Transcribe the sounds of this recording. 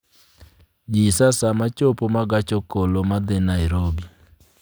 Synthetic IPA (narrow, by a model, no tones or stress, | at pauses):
d͡ʒisasamat͡ʃopomaɡat͡ʃokolomad̪ɪnaiɾobi